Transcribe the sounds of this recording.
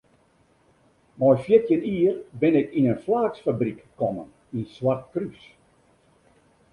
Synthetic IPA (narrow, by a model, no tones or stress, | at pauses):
mɔjfjɪtjəniərbɪnɪkinənflaːksfabrikːɔmə̰n | inswart̚krys